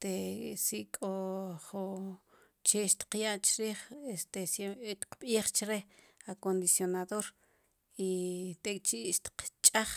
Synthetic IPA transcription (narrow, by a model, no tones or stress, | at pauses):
t̪esiʔkʼoχo | t͡ʃeʃt̪i̥qjaʔt͡ʃɾiːχest̪eset̪i̥q͡χɓiːχt͡ʃɾeakond̪isjonaðoɾ | it̪ekʼt͡ʃiʔʃt̪i̥qt͡ʃʼaχ